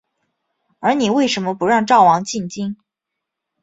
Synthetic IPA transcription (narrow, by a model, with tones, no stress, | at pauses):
ə˞˧˥ni˨˩we˥˩ɪʂə˧˥nmə˧pu˧˥ɻɑ˥˧ŋʈ͡ʂɑ˥˩ʊwɑ˧˥ŋt͡ɕi˥˩nt͡ɕi˥n